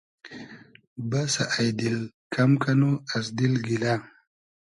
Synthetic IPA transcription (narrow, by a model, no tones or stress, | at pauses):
basaʔajd̪il | kʰamkanuasd̪ilɡila